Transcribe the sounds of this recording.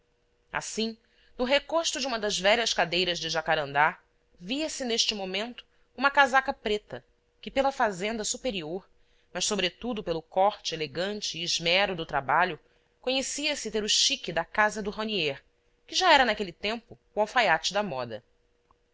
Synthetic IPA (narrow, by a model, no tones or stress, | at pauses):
a̰sĩ | nʊɦekoʃt̪ʊd͡ʒɪũmɐd̪ɐzvɛʎɐskad̪ejɾɐzd͡ʒɪʒakaɾɐ̃nd̪a | viɐsɪneʃt͡ʃɪmomẽnt̪ʊ̥ | ũmɐkazakɐpɾet̪ɐ | kɪpelɐfazẽnd̪ɐsupeɾioɾ | mɐʃsobɾet̪ud̪ʊpelʊkɔχt͡ʃɪeleɡɐ̃nt͡ʃɪːʒmɛɾʊd̪ʊt̪ɾabaʎʊ | koɲesiɐsɪt̪eɾʊʃikɪd̪ɐkazɐd̪ʊɦonieɾ | kɪʒaɛɾɐnakelɪt̪ẽmpʊ | wawfajat͡ʃɪd̪ɐmɔd̪ɐ̰